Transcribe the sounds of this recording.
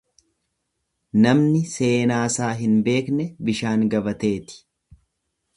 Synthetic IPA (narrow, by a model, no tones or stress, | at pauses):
nɐmnɪse̞ːnaːsaːɦɪnbe̞ːknɛbɪʃaːŋɡɐbɐt̪e̞ːt̪ɪ̥